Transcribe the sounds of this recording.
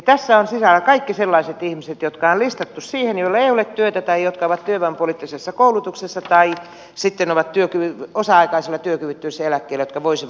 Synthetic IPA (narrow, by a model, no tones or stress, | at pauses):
t̪æsːæonsisælːækɑikːiselːɑiset̪ihmiset̪jot̪kɑonlist̪ɑt̪ːussiːhenjolːɑeiolet̪t̪yøt̪æt̪ɑijjot̪kɑoʋɑt̪t̪yøʋæmpolit̪ːisesːɑkoulut̪uksesːɑt̪ɑi | sit̪ːenoʋɑt̪t̪yøkyʋiosɑɑikɑiselːˑɑt̪yøkyʋit̪ːyisːæelækːeilːjot̪kɑʋoisiʋ